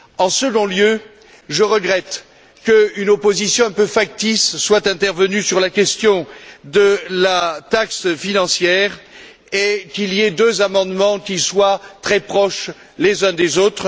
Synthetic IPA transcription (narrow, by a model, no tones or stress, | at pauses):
ɑ̃səɡɔ̃ljø | ʒəʁəɡʁɛt̪ | kəynɔpozisjɔ̃ɛ̃pøfak̚t̪isːwat̪ɛ̃t̪ɛʁvənysyʁlakʲɛst̪jɔ̃d̪əlat̪aksfinɑ̃sjɛʁ | ekʲilied̪øzamɑ̃d̪mɑ̃kʲiswat̪χɛpχɔʃ | lezɛ̃d̪ezot̪χ